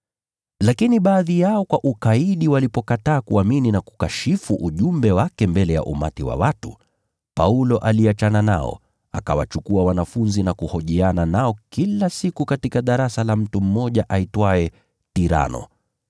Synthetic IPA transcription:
lakiniɓaːðijaɔkwaʔukaiɗiwalipɔkataːkuamininaku̥kaʃifuʔuʄumbɛwakɛmbɛlɛja̰ʔṵma̰tiwa̰watu | paulɔʔaliat͡ʃanana̰ɔ̰ | akawa̰t͡ʃukuawanafunzinakuhɔʄiananaɔkilasikukatikaɗaɾasalam̩tum̩mɔʄaʔaitwaɛ | tiɾa̰nɔ̰

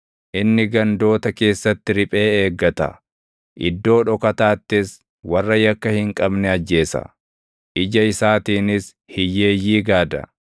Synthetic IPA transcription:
ʔɪnːɪɡɐnd̪o̞ːt̪ɐke̞ːsːɐt̪ːɪɾɪpʼe̞ːeːɡːɐt̪ɐ̰ | ʔɪ̰d̪ːo̞ːᶑɔkɐt̪aːt̪ːɪs | wɐrːɐjɐkːɐhɪŋkʼɐbnɛɐd͡ʒːe̞ːsɐ̰ | ʔɪd͡ʒɐɪsaːt̪iːnɪs | hɪjːe̞ːjːiːɡaːd̪ɐ̰

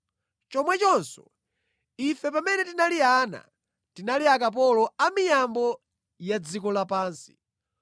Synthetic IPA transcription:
t͡ʃɔmwɛt͡ʃɔnsɔ̰ | ifɛpamɛnɛtinaliana̰ | tinaliak̬ap̬ɔlɔamijambɔ | jad͡zikɔlapaːnsi̥

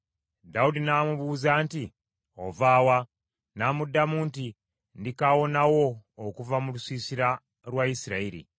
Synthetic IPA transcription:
daudinaːmuβuːzaːnti | o̰vaːwa | naːmudːamuːnti | ndikawo̞nawo̞ːkuvamulusiːsiɾa | lwaisiɾaiɾḭ

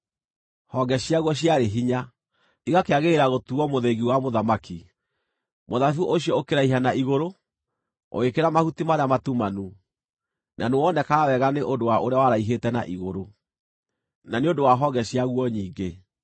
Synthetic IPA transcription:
hɔɡɛɕiaɣwɔɕ̬iaɾeɦiɲa | iɣakeaɣeeɾaɣotuɔmoðeɣiwamoðamaki | moðaθuʔoɕiɔokeɾaiɦanaiɣoɾo | o̰ekeɾamahutimaɾeamatumanu | nʔanewɔnɛkaawɛɣaneʔondowaʔoɾeawaɾaiɦetɛna̰ʔiɣoɾo | naneodowaɦɔɡɛɕiaɣwɔɲiːɡe

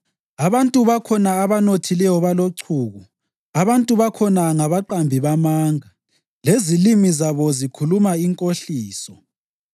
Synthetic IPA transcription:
aβantʼuβakʰɔnaːβanotʰilɛjɔβaloǀʰuːɣu | aβantʼuβakʰɔnaŋaβaǃambʱiβamaːŋa | lezilimizaβɔzikʰulumaiŋkʼoɬiːsɔ

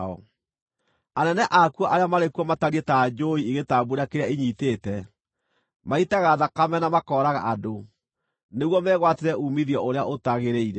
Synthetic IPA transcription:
ɔ̰ | anɛnɛʔakuɔʔaɾeamaɾekuɔmataɾietaːd͡ʒoiiɣetabuɾakeɾeaiɲiːteːtɛ | maitaɣaðakamɛnamakɔːɾaɣa̰ʔado | neɣwɔmɛɣwateɾɛʔumiðiɔʔoɾeaotaɣeɾeiɾɛ

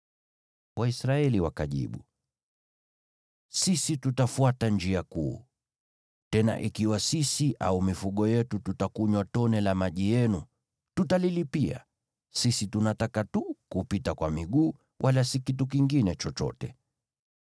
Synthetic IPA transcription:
wʔaisɾaɛliwakaʄḭɓu | sisitutafuatand͡ʒiakuː | tɛna̰ʔikiwasisiʔa̰umifuɠɔjɛtututakuɲwatɔnɛlamaʄijɛnu | tutalilipia̰ | sisitunatakatukupitakwamiɠuː | wʔalasikituk̬iŋɡinɛt͡ʃɔt͡ʃɔ̰tɛ

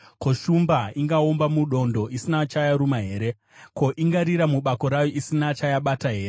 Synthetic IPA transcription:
koʃumbaiŋɡaombamuɗo̞ndo̞isinat͡ʃajaɾumaɦe̞ːɾe̞ | ko̞ʔiŋɡaɾiɾamuɓako̞ɾajo̞ʔisinat͡ʃajaɓataɦe̞ːre

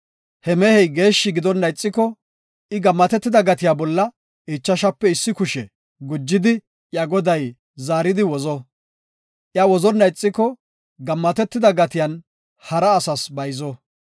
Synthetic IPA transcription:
hɛmɛhɛjɡe̞ːʃːɪɡɪd̪ɔnːɐjt͡sʼːɪkːɔ | ɪɡɐmːɐt̪ɛt̪ːɪd̪ɐɡɐt̪ɪjaːbɔlːɐ | ɪt͡ʃːɐʃɐpːɛɪsːɪkʊʃɛ | ɡʊd͡ʒːɪd̪ɪ | jɐɡɔd̪ɐj | zaːɾɪd̪ɪwɔzɔ | ʔjawɔzɔnːɐjt͡sʼːɪkːɔ | ɡɐmːɐt̪ɛt̪ːɪd̪ɐɡɐt̪ɪjɐn | hɐɾɐːsɐsbɐjzɔ

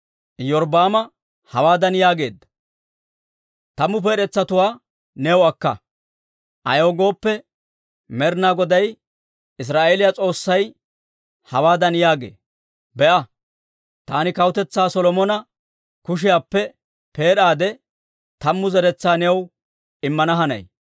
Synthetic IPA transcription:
jɔɾbaːmɐ | hɐwaːd̪ɐnjaːɡe̞ːd̪ːɐ̥ | t̪ɐmːʊp̬eːɾɛt͡sːɐt̪ʊwaː | nɛwɐkːɐ̰ | ʔɐ̰joːɡo̞ːpːɛ | mɛɾnaːɡɔd̪ɐj | ɪs̬ɾaːʔeːlɪjat͡sʼo̞ːsːɐj | hɐwaːd̪ɐnjaːɡḛː | bɛʔɐ | t̪aːnɪkɐwʊt̪ɛt͡sːaːsɔlɔmɔnɐ | kʊʃ̬ɪjaːpːɛ | pe̞ːɗaːd̪ɛ | t̪ɐmːʊzɛɾɛt͡sːaːnɛw | ɪmːɐnɐɦɐnɐ̰j

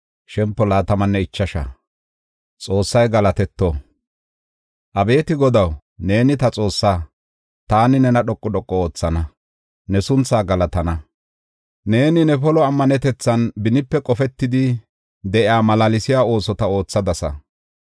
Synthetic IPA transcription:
ʃɛmpːɔlaːt̪ɐmɐnːɛɪt͡ʃːɐʃɐ̰ | t͡sʼo̞ːsːɐjɡɐlɐt̪ɛt̪ːɔ | ʔɐbe̞ːt̪ɪɡɔd̪ɐw | ne̞ːnɪt̪ɐt͡sʼo̞ːsːaː | t̪aːnɪnɛnɐɗɔkʼːɔɗɔkʼːɔoːt͡sːɐnɐ | nɛsʊnt͡sːaːɡɐlɐt̪ɐnɐ | ne̞ːnɪnɛpɔlɔɐmːɐnɛt̪ɛt͡sːɐnbɪnɪpːɛkʼɔfɛt̪ːɪd̪ɪ | d̪ɛʔɪaːmɐlalɪsɪjaːo̞ːsɔt̪ɐo̞ːt͡sːɐd̪ɐsɐ̰

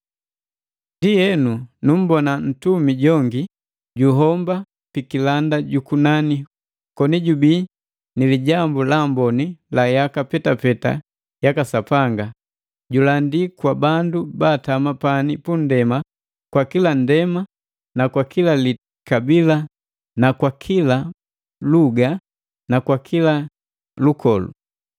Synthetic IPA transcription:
ndijɛnunum̩bɔnan̩tumiɟɔŋɡi | ɟuɦɔmba | pikilandaɟukunani | kɔniɟubi | niliɟambulambɔnilajakapɛtapɛta̰ | jakasapaŋɡa | ɟulandikwabandubaːtamapanipundɛma | kwakilandɛma | nakwakilali | kabila | nakwakʰila | luɡa | nakwakʰila | lukɔlṵ

